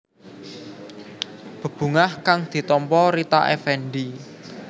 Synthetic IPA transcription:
b̥ə̤b̥ṳŋahkaŋd̪̥i̤t̪ɔmpɔɾit̪a̰ʔɛ̰fɛɳɖi

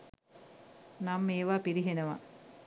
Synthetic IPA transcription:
namːeːʋaːpiɾiɦenəʋa̰

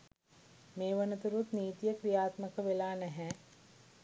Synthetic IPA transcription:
meːʋənət̪uɾut̪niːt̪ijəkʋijaːt̪məkəʋelaːnɛɦɛː

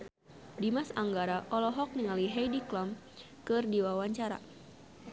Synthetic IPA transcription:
dimasaŋɡaɾaʔɔlɔɦɔk̚niŋaliɦɛjdiklɔm | kɨrdiwawaɲt͡ʃaɾa̰

